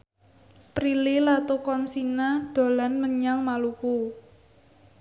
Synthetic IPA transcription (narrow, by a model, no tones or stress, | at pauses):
pɾililat̪okɔnsinad̪̥o̤lanməɲaŋmaluku